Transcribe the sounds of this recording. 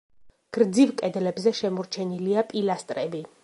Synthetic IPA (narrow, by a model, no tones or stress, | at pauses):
ɡ̥ɾd̪zivkʼɛd̪lɛbzɛʃɛmɔɾt͡ʃʰɛniliapʼilast̪ʼɾɛbi